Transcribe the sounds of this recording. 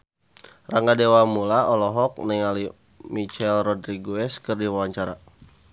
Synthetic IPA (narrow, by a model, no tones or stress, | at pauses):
raŋɡadewamulaɔlɔɦɔk̚nɛŋali | mit͡ʃɛlrɔdɾiɡoɛskɨrdiwawaɲt͡ʃaɾa̰